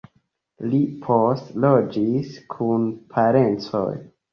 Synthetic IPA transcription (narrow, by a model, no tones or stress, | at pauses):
lipʰo̞stlo̞d͡ʒiskʰunpʰaɾe̞nt͡so̞̰j